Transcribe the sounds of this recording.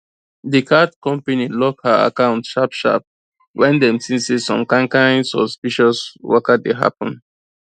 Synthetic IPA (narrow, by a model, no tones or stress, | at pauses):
dikʰadkɔ̃mpanilɔkhaa̰kãʊ̃ntʃapʃa̰p̚ | wʔɛ̃ndɛ̃msĩnsisɔ̰̃mkãŋkãɪ̃nsɔ̰spiʃɔswɔkadeɦa̰pɔ̃n